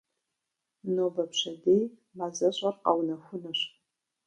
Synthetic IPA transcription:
nobɐpʰʂɐdejmazɐɕʷʼarqʼa̰wnaxʷʊnɨɕ

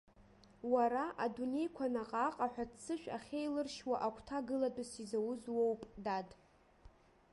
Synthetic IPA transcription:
waɾaʔadune̞jkʷʰanaqʼaqʼaħʷᶣatʰt͡sʰɨʃᶣa̰χʲe̞jlɨrʃwaʔakʷʰtʰaɡɨladʼɨsizawʊzwowpʼdadʼ

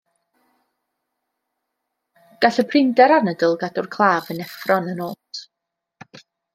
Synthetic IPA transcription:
ɡ̥aɬəpʰrɪndɛɾanədəlˠɡadʊrkʰlˠaːvənɛfrɔnənoːtʰ

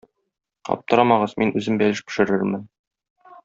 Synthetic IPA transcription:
ɒ̰p̚t̪ɤ̆ɾɑmɑʁɤzminʉzɘmbælɘʃpɘ̥̆ʃɘ̆ɾɘɾmɘn

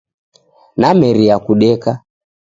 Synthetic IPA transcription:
namɛɾiakuɗɛka

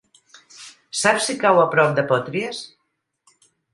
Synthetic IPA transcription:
sapsikawapɾɔp̚d̪epɔt̪ɾies

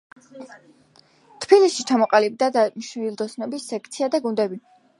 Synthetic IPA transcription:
t̪ʰb̥ilisʃit͡ʃʰamɔqʼalib̚d̪ad̪amʃilˠd̪ɔsnɔbisːɛk̚ʰt̪sʰiad̪aɡund̪ɛbi

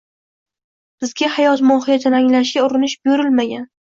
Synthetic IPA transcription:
b̥ɪzɡʲahajɒt̪mɒhɪjad͡ʒanaŋlaʃ̬ɡʲaʊɾɪnɪʃboɾɪlmaɡʲan

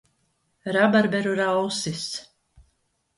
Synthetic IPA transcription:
ɾabaɾbɛɾuɾawsis

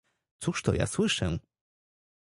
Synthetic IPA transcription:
t̪suʂt̪ɔ̰ja̰swɘʂɛ

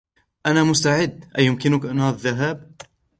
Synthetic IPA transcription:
ʔanamʊst̪aʕɪd̪ːʔajʊmkɪnʊkʔanːðːaɦaːb̚

